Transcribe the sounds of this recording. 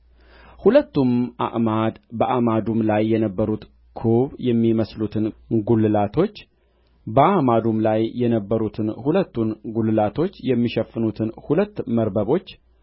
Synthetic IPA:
hulət̪ːumʔa̰ʔmad̪bəʔamad̪umlajːɛnəbːəɾut̪ | kʰoβjɛmːiməslut̪ʰɨnɡulːɨlat̪ʰo̞t͡ʃː | bəʔamad̪umlajːɛnəbːəɾut̪ʰɨnhulət̪ːunɡulɨlat̪ʰo̞t͡ʃːjɛmːiʃɛfːɨnut̪ʰɨnhulət̪ːməɾbəβo̞t͡ʃː

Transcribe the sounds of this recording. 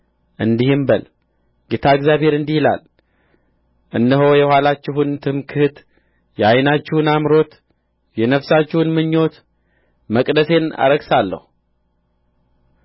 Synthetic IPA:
ʔɨnd̪ihɨmbəl | ɡet̪ʰaɨɡzjaβhe̞ɾɨnd̪ihila̰l | ʔɨnːəɦo̞jɛhwalat͡ʃːɪɦunt̪ʰɨmkʰɨhɨt̪ | jɛajnat͡ʃːɪhunamɾo̞t̪ | jɛnəfsat͡ʃːɪhunmɨɲːo̞t̪ | məkʼd̪əse̞na̰ɾəɡsalːə̰hu

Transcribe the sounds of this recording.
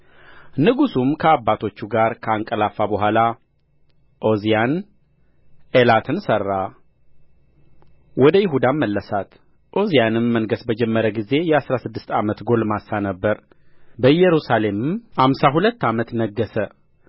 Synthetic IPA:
nɨɡusumkʰəabːat̪ʰo̞t͡ʃːuɡaɾkʰəaŋkʼəlafabəɦʷala | ʔo̞zijan | elat̪ʰɨnsərːa | wʔɔd̪əjɪɦud̪aməlːəsat̪ | ʔo̞zijanɨmːəŋɡəsbəd͡ʒɛmːəɾəɡize̞jɛasɾasɨd̪ːɨst̪ʰamət̪ɡo̞lmasːanəbːəɾ | bəjɛɾusale̞mɨmhamsaɦulət̪ːamət̪nəɡːəsə

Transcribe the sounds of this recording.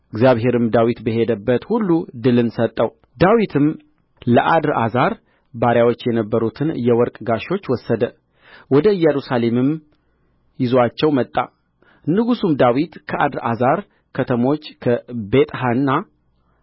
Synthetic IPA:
ʔɨɡzjaβɦe̞ɾɨmd̪awit̪bəɦe̞d̪əbːət̪hulːud̪ɨlɨnsət̪ʼːəw | d̪awit̪ʰɨm | ləʔad̪ɾʔa̰zaɾ | baɾjawot͡ʃːjɛnəbːəɾut̪ʰɨnjɛwɔɾkʼɡaʃo̞t͡ʃːwɔsːəd̪ə | wɔd̪əɨjɛɾusale̞mɨm | jɪzoat͡ʃːɛwmət̪ʼːa̰ | nːɨɡusumd̪awit̪kʰəʔad̪ɾa̰zaɾ | kʰət̪ʰəmo̞t͡ʃːkʰəbe̞t̪ʼɦanːa

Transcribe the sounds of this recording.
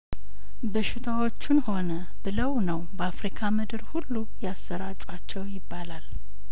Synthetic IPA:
bəʃɪt̪ʰawo̞t͡ʃːɪnho̞nə | bɨləwnəwbəafɾikʰamɨd̪ɨɾhulːujasːəɾat͡ʃʼwat͡ʃːɛwjɪbːalal

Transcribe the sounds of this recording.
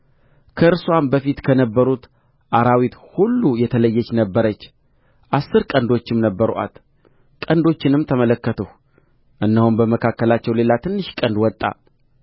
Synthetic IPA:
kʰəʔɨɾswambəfit̪kʰənəbːəɾut̪ | ʔaɾawit̪hulːujɛt̪ʰələjːɛt͡ʃːnəbːəɾət͡ʃː | ʔasːɨɾkʼənd̪o̞t͡ʃːɪmnəbːəɾʔa̰t̪ | kʼənd̪o̞t͡ʃːɪnɨmt̪ʰəmələkːət̪ʰəh | ʔɨnːəhunbəməkʰakːəlat͡ʃːɛwle̞lat̪ʰɨnːɨʃkʼənd̪wɔt̪ʼːa̰

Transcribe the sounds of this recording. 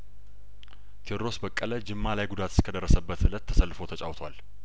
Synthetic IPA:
t̪ʰioɾɾo̞sbəkʼːələd͡ʒɪmːalajɡud̪at̪ɨ̥skʰəd̪ərːəsəbːət̪hɨlət̪ʰːə̥səlːfot̪ʰət͡ʃʼa̰wt̪ʰwa̰l

